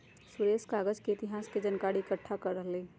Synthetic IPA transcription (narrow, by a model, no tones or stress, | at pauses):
sʊɾeːskaːɡəd͡ʒkeɪt̪ɪɦaːsked͡ʒɐnkaːɽiɪkəʈʰːakɐɾːəɦleː